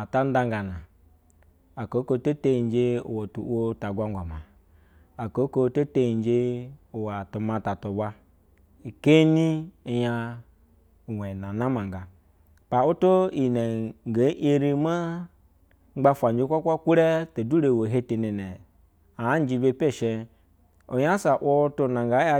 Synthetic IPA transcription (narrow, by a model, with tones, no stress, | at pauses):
a˨ta˦n˦da˦ŋɡa˨na˨ | a˨ko˨˦ko˦to˦te˦i˨n˦d͡ʒe˦ṵ˨wa˨tu˨wʷo˦ta˨ɡʷa˨ŋɡʷa˨ma˨ | a˨ko˨˦ko˦to˦te˦i˨˦d͡ʒe˦u˨wa˨tu˨ma˨ta˨tu˨ba˦ | i˨ke˦ni˦˨ja˦˨ | we˨na˨na˦ma˨ŋɡa˨ | pa˨o˦to˦i˨ne˨ŋ˨ɡa˨˦ʔe˦ɾi˦ma˦ | ŋ͡m̩˦ɡ͡ba˦fʷa˨d͡ʒi˦kʷa˦kʷa˦kʷu˦ɾe˦to˨du˦ɾe˨wo˨ɦe˦te˨ne˨nɛ˨ | a˨˦n˦d͡ʒi˧be˦pe˦˨ʃe˧ | o˨ja˦sa˨ʔʷo˦to˦˨na˨ŋɡa˨˦a˦